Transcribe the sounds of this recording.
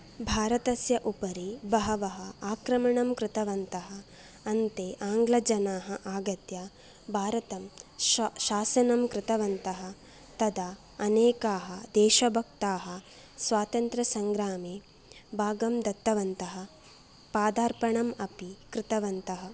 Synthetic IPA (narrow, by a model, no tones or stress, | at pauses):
bʱaːɾɐt̪ɐsjɐʔupɐɾibɐɦɐʋɐɦɐaːkɾɐmɐɳɐmkɾɪt̪ɐʋɐnt̪ɐɦɐ | ɐnt̪eːʔaːŋɡlɐd͡ʒɐnaːɦɐʔaːɡɐt̪jɐ | bʱaːɾɐt̪ɐm | ʃaːsɐnɐmkɾɪt̪ɐʋɐnt̪ɐɦɐ̆ | t̪ɐd̪ɐ | ɐneːkaːɦɐd̪ɛːʃɐbʱɐk̚t̪aːɦɐ̆ | sʋaːt̪ɐnt̪ɾɐsɐŋɡɾaːmeː | bʱaːɡɐmd̪ɐt̪ːɐʋɐnt̪ɐɦɐ̆ | paːd̪aːɾpɐɳɐmɐpikɾɪt̪ɐʋɐnt̪ɐɦɐ